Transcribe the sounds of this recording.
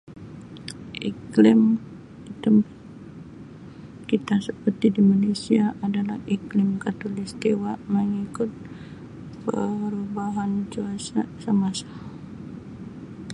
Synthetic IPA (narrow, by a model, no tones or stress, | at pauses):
ʔiklɪm | it̪um | kit̪asəpərt̪idimalesiaʔadalahiklɪmkat̪olist̪iwaməŋikʊt̪̚ | pəɾubaɦand͡ʒuasasəmasḁ